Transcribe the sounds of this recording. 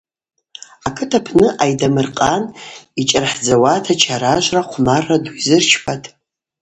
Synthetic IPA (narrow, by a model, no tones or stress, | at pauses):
akʰɨtʰapʰnɨʔajdamɨrqʼanit͡ʃʼarħd͡zawatʰat͡ʃʰaɾaʒʷraqʷʰmaraduizɨrt͡ʃʰpʰatʼ